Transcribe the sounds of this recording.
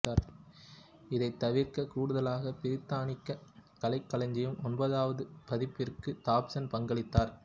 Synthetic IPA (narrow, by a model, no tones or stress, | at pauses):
aːɾ | ɪðɐɪt̪ːɐʋɪɾkɐkuːɽɯðɐlaːɣɐpɪɾɪt̪ːaːɳɪkːɐkɐlɐɪkːɐɭɐɲd͡ʒɐjɯmɔnbɐðaːʋɐðɯpɐðɪpːɪrkɯt̪aːpsɐnpɐŋɡɐɭɪt̪ːaːɾ